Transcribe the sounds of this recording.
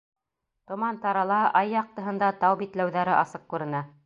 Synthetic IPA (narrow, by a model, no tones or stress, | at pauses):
t̪ŏmɑnt̪ɑɾɑlˠɑʔɑjːɑq̚t̪ɤ̆ɦɤ̆nd̪ɑt̪ɑwbit̪læwðæɾɘʔɑsɤq̚kʉɾɘ̆næ